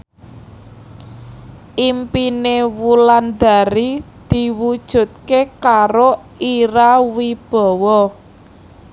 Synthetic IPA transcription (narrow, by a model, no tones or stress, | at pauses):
ʔimpinewuland̪a̤ɾid̪̥i̤wud̥ʒ̥ṳt̪̚kekaɾo | iɾawib̥ɔ̤wɔ